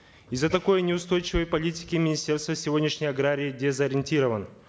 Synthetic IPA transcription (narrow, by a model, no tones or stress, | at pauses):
izət̪ɐko̞jnʲɪʊst̪o̞jt͡ɕɪvəjpɐlʲitʲɪ̥kʲɪmʲɪnʲɪsʲtʲe̞rst̪vəsʲɪvo̞dʲnʲɪʂnʲəjɐɡɾaɾʲɪːdʲezɐɾʲɪnʲtʲiɾəvən